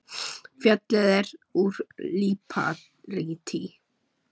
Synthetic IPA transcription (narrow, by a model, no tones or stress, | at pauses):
fjœt̪lɛðɛɾuɾliːpʰa̰ | ɾiːt̪ʰi